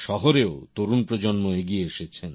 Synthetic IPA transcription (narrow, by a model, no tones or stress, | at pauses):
ʃɔɦoɾeot̪oɾunpɾod͡ʑonmoeɡieeʃet͡ɕʰen